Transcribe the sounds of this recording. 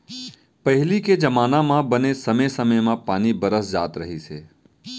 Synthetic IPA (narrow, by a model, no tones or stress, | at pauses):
pəɦɪliked͡ʒəmaːnamãbənesəməjsəməjmãpaːnibəɾəsd͡ʒa̰ːt̪ɾəɦit͡ʃʰe